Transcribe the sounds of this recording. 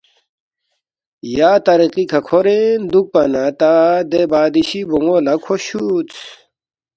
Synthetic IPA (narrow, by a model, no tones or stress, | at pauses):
jaːt̪ɐɾiqikʰɐkʰoɾend̪uk̚pɐnat̪ad̪ebaːd̪iɕibuŋɡolɐkʰoɕut͡s